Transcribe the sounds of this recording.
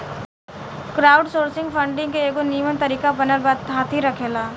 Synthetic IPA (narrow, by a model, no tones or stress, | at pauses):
kɾaːʊɖsoːɾsɪ̃ŋɡpʰə̃ɳɖɪ̃ŋɡkeeːɡoniːʋənt̪ɐɾiːkabɐnəɾbaːd̪̚ɦaːt̪ʰɦiɾɐkʰeːlaː